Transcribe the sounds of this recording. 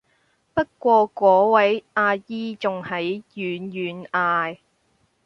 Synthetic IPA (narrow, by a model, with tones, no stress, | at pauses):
pɐ˥t̚kʷɔː˧kʷɔː˨˥wɐ˨˥jaː˧jiː˥t͡sʊ˨ŋhɐ˨˥jjyː˨˥njyː˨˥naː˧j